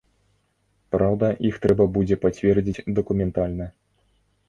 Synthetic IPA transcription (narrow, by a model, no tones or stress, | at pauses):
pɾawd̪ɐʔixt̪ɾɛbɐbud͡zʲɛpat͡sʲvʲɛrd͡zʲit͡sʲd̪ɐkumʲɛnt̪alʲnɐ